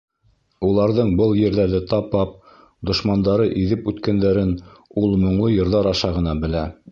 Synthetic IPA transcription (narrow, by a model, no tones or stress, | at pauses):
ulˠɑɾðɤɴbɤlˠjɘ̆ɾðæɾðɘt̪ɑpɑp̚ | d̪ŏʃmɑnd̪ɑɾɤʔiðɘpʉt̪kænd̪æɾɘnulˠmŏɴlˠɤjɤ̆ɾðɑɾɑʃɑʁɤ̆nɑbɘ̆læ